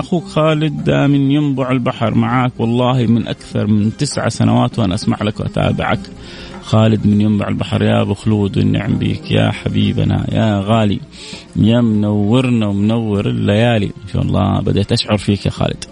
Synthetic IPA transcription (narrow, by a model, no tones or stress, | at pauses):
ʔaxuːkxaːlɪd̪ːamɪnjɪmbʊʕɪlbaħɾˤmaʕaːkwɑlˤːɑːɦimɪnʔakθɑɾˤmɪnt̪ɪsʕa̰sanawaːt̪wʔanaʔasmaʕlakwʔat̪ʰa̰ːbɪ̰ʕa̰k | xaːlɪd̪mɪnjɪmbʊʕɪlbaħɾˤjabʊxluːd̪wɪ̰nːɪ̰ʕɪmbḭːkjaħabiːba̰najaɣaːli | jamnawːɪɾnawɪmnawːɪɾɪlːajaːlḭɪnʃa̰ːʔlˤːɑ̰ːbad̪at̪ʔaʃʕʊɾˤfiːkjaxa̰ːlɪd̪̥